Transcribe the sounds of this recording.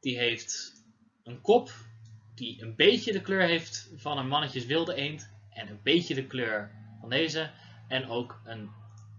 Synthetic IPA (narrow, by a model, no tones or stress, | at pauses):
d̥iɦejft | ənkɔpd̥iənbejcədəkløːɹɦejftvɑnənmɑnəcəsʋɪlˠdəejntʔɛnənbejcədəkløːɹvɑndejzə | ɛnowkən